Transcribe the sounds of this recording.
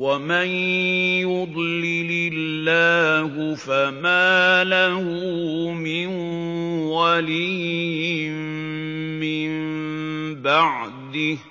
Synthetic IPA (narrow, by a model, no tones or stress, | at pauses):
wamanjʊd̪ˤlɪlɪlːaːhʊfamaːlahʊmɪn | walijɪɪm | mɪmmmbaʕd̪ɪ